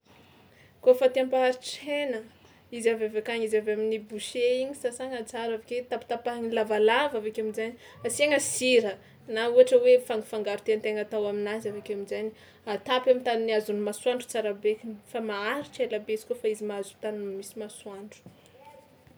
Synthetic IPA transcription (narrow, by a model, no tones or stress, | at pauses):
kofat̪iampaaɾiʈ͡ʂenə | izavavakaɲizavaminibuʃeiɲisasaŋat͡saɾaveket̪api̥t̪apaŋilavalavavekaminzaɲi | asieŋəsiɾə | nauaʈ͡ʂəwefaŋɡifaŋɡaɾut̪ent̪eŋat̪awaminazavekamizaɲi | at̪apamint̪aniniazunimaswaɳɖ͡ʐu̥t͡saɾabekinifamaaɾiʈ͡ʂelabeizi̥kofaizimaazut̪animisimaswaɳɖ͡ʐu̥